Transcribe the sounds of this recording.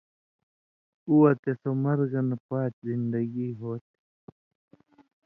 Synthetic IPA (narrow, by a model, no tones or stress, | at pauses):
uwɐt̪esomɐɾɣɐnɐpaːt͡ʃzind̪ɐɡiːɦoːt̪̚